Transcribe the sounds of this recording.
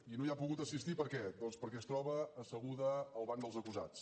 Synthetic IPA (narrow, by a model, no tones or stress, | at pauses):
inoiapuɣut̪əsist̪ipəɾkɛd̪ɔnspəɾkɛəst̪ɾɔβəːsəɣuðəːlˠβaŋd̪əlˠzəkuza̰t͡s